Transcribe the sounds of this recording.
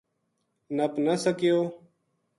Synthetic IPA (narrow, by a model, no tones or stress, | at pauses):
nəpnəsəkɪjoː